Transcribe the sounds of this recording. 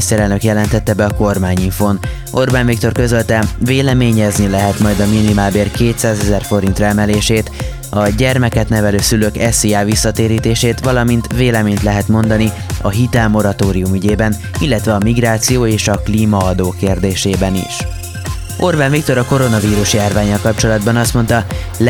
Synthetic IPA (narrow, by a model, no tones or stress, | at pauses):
st̪ɛɾɛlnø̞kjɛlɛnt̪ɛt̪ːɛbɛɒko̞rmaːɲiɱfoːn | o̞rbanvik̚t̪o̞rkøzølt̪ɛveːlɛmeːɲɛznilɛɦɛt̪mɒjd̪ɒminimaːlbeːrkeːt̪saːzɛzɛrfo̞ɾint̪rɛmɛleːʃeːt̪ | ɒɟɛrmɛkɛt̪nɛvɛløːsyløːkɛsijaːvisːɒt̪eːɾiːt̪eːʃeːt̪ʋɒlɒmint̪veːlɛmeːɲt̪lɛɦɛt̪mo̞nd̪ɒni | ɒɦit̪ɛlmo̞ɾɒt̪oːɾijumyɟeːbɛn | ilːɛt̪ʋɛɒmiɡraːt̪sijoːeːʃɒkliːmɒɒd̪oːkeːrd̪eːʃeːbɛnḭʃ | ʔorbanvikt̪o̞ɾɒko̞ɾo̞nɒviːɾuʃjaːrvaːɲːɒlkɒp̚t͡ʃo̞lɒd̪bɒnɒst̪mo̞nt̪ɒ